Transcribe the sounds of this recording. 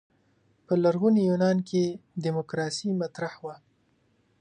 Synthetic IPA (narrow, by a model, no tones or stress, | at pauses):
pəlaɾɣunijunɑnkʰedimokɾɑsimat̪ɾahwa